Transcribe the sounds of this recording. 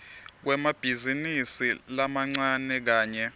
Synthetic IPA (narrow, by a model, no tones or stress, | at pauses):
k̬wɛmab̥ʱizinisilamaŋ͡ǀanɛk̬aːɲɛ